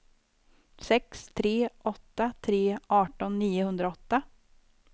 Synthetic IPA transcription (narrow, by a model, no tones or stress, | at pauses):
sɛkst̪ʰɾeːʔɔt̪ːat̪ʰɾeːʔɑːʈɔnːiːʊhɵnd̪ɾaɔt̪ːa